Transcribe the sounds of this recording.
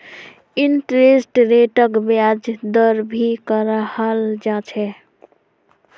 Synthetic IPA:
inʈɾesʈɾeʈəkbjad͡ʒd̪əɾbʱikəɾəhəld͡ʒat͡ʃʰɛ

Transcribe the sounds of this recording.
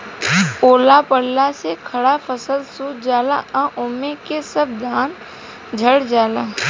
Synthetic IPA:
oːlapəɽlasekʰəɽapʰəsəlsuːd͡ʒaːla̰ʔãʔʊmekesəb̚d̪ʱaːn | d͡ʒʱəɽd͡ʒaːla

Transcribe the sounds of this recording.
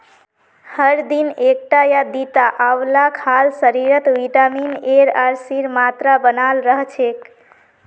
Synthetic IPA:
həɾd̪inek̚ʈajad̪it̪aʔawlakʰalsəɾiɾət̪ʋiʈamineɾaɾsiɾmat̪ɾabənalɾəɦt͡ʃʰek

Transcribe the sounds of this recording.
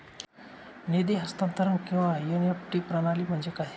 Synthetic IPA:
ned̪iɦəst̪ant̪əɾəŋkĩw̃ʋajunepʈiːpɾənaliːm̤əɳd͡zekaɦi

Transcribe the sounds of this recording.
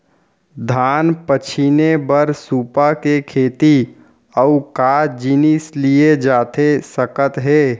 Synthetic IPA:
d̪ʱaːnpət͡ʃʰinebəɾsuːpakekʰeːt̪i | ɔukaːd͡ʒinɪslied͡ʒaːt̪ʰesəkət̪ɦɛː

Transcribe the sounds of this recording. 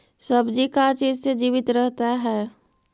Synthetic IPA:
sɐbd͡ʒikat͡ʃiːd͡ʒsed͡ʒiːʋɪt̪ɾɛɦt̪aɦɛː

